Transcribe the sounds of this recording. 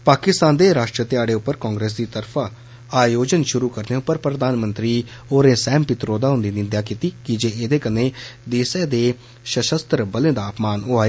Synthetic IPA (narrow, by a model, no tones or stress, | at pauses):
paːkɪst̪aːnd̪eːɾaːʃʈɾət̪ɪjaːɽeːʊpːəɾkãːŋɡɾeːs̬d̪iːt̪əɾpʰaː | aːjoːd͡ʒənʃʊɾuːkəɾneːʊpːəɾpɾəd̪aːnmə̃nt̪ɾiːoːɾẽːsɛ̃ːmpɪt̪ɾoːd̪aːɦʊ̃nd̪iːnɪnd̪jaːkiːt̪iːkɪd͡ʒeːʔeːd̪eːkənẽːd̪eːsɛːd̪eː | ʃəʃəst̪ɾəbəlẽːd̪aːpmaːnoːaːeː